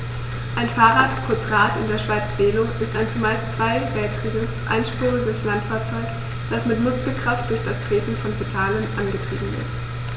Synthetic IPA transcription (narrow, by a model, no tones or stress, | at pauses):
ʔaɪnfaːʁaːtkʰʊɐt͡sʁaːtɪ̰ndeːɐʃv̥aɪt͡sv̥eːloʔɪstaɪnt͡sumaɪst͡sv̥aɪvɛltkʁ̥iːɡəsʔa̰ɪnʃpʁ̥uːʁəɡəslantfaːɐt͡sɔʏk | d̥asmɪtmʊskl̩kʁ̥aft̚d̥ʊɐçd̥astʁ̥eːtn̩fɔnpotʰaːlənʔanɡətʁ̥iːbm̩vɪ̰ɐt